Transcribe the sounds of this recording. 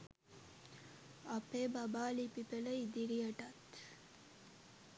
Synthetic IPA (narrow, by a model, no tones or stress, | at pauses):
ɐpeːbɐbaːlipipeləid̪iɾijɐʈɐt̪